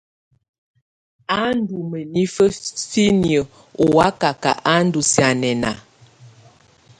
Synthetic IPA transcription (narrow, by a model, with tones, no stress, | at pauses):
a˦n˦du˨mə˨ni˦fə˦si˦ni˨ə˨ | o˨wa˦ka˨ka̰˨ʔa˦n̩˦du˨si˨a˨nɛ˨na̰˨